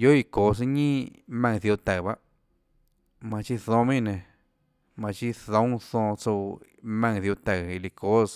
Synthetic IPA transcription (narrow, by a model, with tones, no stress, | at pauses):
jo˦i˧ko˨s̬i˧ɲĩ˦mã˧ŋ˧θu˧t̪a˨βa˦ | mã˧t͡ʃi˦θõ˧mĩ˦˧˨nẽ˨ | mã˨˧t͡ʃi˦θõ˦θõ˧t͡so˧mã˧ŋðu˧t̪a˧˨i˧li˧ko˦s